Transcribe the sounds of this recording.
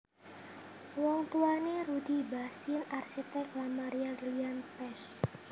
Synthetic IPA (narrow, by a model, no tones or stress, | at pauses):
wɔŋt̪uaneɾud̪ibasɪnarsit̪ɛk̚lamaɾiarilianpɛs